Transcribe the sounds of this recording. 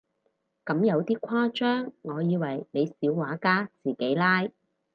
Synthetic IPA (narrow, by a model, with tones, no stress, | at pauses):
kɐ˨˥mjɐ˨˧wt̪iː˥kʷʰwaː˥t͡ʃœː˥ŋːŋɔː˨˧jiː˨˧wɐ˨˩jne˨˧jsiː˨˥wwaː˨˥kaː˥t͡siː˨˩ke˨˥jlaː˥j